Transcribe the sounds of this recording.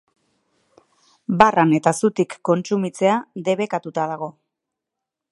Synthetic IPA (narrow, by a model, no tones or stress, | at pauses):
barane̞t̪asut̪ikːo̞nt͡sumit͡se̞ad̪e̞βe̞kat̪ut̪að̞aɣ̞o̞